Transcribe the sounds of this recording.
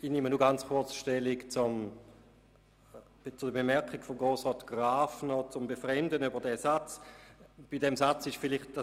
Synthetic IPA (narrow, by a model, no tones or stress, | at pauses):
inimənuɡant͡sχʊɐt͡sʃtɛlikt͡sʊm | t͡sudəbemɛɐkiɡfɔmɡʁoːsʁɔːtɡ̥ʁaːfnɔt͡sʊmbefʁɛmdənybɐdɛsat͡s | b̥idɛmsat͡sɪʃfɪlɪχt̚da